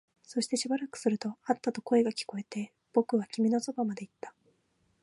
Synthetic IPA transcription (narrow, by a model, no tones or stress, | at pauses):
so̞ɕi̥t̪e̞ɕibaɾakɯ̟̥sɨɾɯ̟t̪o̞at̪ːat̪o̞ko̞e̞ɡakʲi̥ko̞e̞t̪e̞ | b̥o̞kɯ̟β̞akʲimʲino̞so̞bamad̪e̞it̪ːḁ